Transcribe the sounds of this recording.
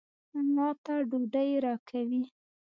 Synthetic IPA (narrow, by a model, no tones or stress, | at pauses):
mɑt̪aɖoɖəjɾɑkʰawi